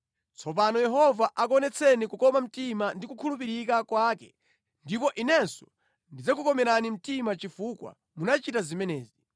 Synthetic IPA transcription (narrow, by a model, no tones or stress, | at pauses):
t͡sʰɔp̬anɔjɛɦɔvaʔak̬ɔnɛt͡sʰɛnikukɔmam̩timandikukʰulupiɾikakwaːkɛ | ndipɔʔinɛnsɔ̥ | ndid͡zakukɔmɛɾanim̩timat͡ʃifukwa̰ | munat͡ʃitazimɛnɛːzi